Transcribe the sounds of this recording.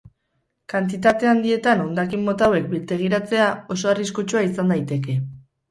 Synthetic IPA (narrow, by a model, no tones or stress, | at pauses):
kant̪it̪at̪e̞and̪ie̞t̪anownd̪akimːo̞t̪awe̞k̚bilt̪e̞ɣ̞iɾat͡se̞ao̞so̞ariskut͡ʃuaisand̪ajt̪e̞ke̞